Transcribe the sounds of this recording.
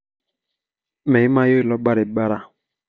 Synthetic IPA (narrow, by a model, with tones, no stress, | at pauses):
me˨i˦ma˦jo˦˨lɔ˦ba˦ɾɪ˨˦ba˦ɾa˦